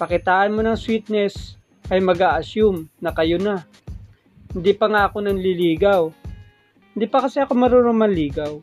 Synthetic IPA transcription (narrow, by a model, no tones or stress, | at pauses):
pɐkɪt̪aːʔɐnmonɐŋswit̪̚nɛs | ʔɐjmɐɡaːʔɐsumnɐkɐjona | hɪnd̪ipɐŋaʔɐkonɐnlɪliːɡɐw | hɪnd̪ipɐkɐsɛʔɐkomɐɾoɾoŋmɐliːɡɐw